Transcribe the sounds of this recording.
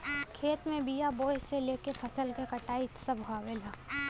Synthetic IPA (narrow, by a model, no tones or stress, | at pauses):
kʰeːt̪mẽbijaboːɦseleːkepʰɐsəlkekɐʈaːit̪səbʱaːʋelaː